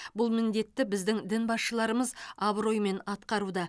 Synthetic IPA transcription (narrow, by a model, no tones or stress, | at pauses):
bʊlˠmɪnd̪e̞t̪ːɪbɪzd̪ɪŋd̪ɪnbɑsʃəlˠɑɾəməzabro̞jme̞nɑt̪qɑɾud̪ɑ